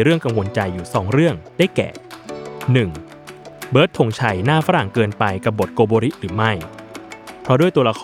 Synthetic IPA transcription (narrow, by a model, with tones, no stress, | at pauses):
ɾɯ˥˩əŋka˧ŋwo˧nt͡ɕa˧jːuː˨˩sɔ̰ː˩˦ŋɾɯ˥˩əŋdaː˥˩jkɛ̰ː˨˩ | nɯ˨˩ŋ | bɤː˦˥t̪ʰːo˧ŋt͡ɕʰa˧jnaː˥˩faː˦˥ɾa˨˩ŋkɤː˧npa˧jka˨˩p̚bo˨˩t̪̚koː˧boː˧ɾi˦˥ʔɾɯː˩˦ma˥˩j | pʰɾɔ˦˥du˥˩jt̪u˧la˧kʰː